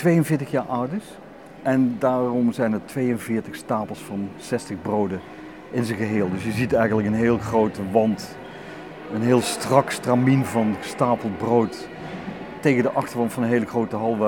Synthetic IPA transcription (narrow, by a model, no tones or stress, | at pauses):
tʋejənvɪːɹtəxjaːɹʔʌwdəɹs | ʔɛndaːrɔmzɛjnəɹtʋejənvɪːɹtəxstaːpəl̩ˠsfɑnsɛstəɣbrowdə | ɪnzəɣəɦeːlˠdɵsjəzitɛjɣənləkənɦɪːlˠɣrowtəʋɑnt | ənɦɪːlˠstrɑkstraminvɑnstaːpəlˠd̚browtː | ejɣəndəʔɑxtəɹʋɑntfɑnənɦejləɣrowtəɦɑlˠʋɛ